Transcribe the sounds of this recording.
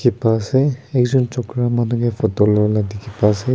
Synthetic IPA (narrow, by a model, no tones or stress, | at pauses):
kipasɛɛk̚zɔnt͡ʃɔkɾamanuɡepʰɔtɔlɔladikipase